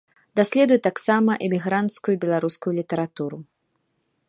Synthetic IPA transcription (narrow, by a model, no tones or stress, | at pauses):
d̪asʲlʲɛd̪ujɛt̪aksamɐʔɛmʲiɣɾant̪skujubʲɛlˠaɾuskujulʲit̪ɛɾat̪uɾu